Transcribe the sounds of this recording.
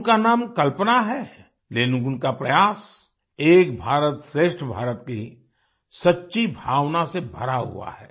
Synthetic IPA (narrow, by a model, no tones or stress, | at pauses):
kanaːmkɐlpnaɦɛ | lenkʊnkapɾɐjaːs | eːk̚bʱaːɾət̪ʃɾeːʃʈʰbʱa̰ːɾət̪kei | sɐtːʃibʱaːwnasebʱɐ̰ɾaɦṵa̰hɛ̰ː